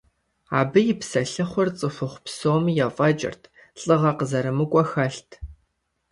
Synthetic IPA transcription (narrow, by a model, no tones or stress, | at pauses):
aːbɨjɪpsɐɬɨχʷʊrt͡sʼɨfʷʊχʷpsoːmjɛfʼɐt͡ʃʼɪ̰rtʰ | ɬʼɨʁɐqəzɐɾɨmɨkʷʼɔxɐɬtʰ